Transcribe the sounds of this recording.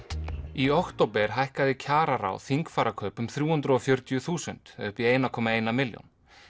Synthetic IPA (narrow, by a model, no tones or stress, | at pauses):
iɔht̪owpɛɾ̥ɦajhkaðɪcʰaːɾaɾa̰wθiŋkfaːɾakʰœːpʏmθɾjuːhʏnt̪ɾʏɔfjœɾt̪jʏθuːsʏ̰nt̪ʏhpieːjnakʰɔːmaeːjnamɪljɔ̰n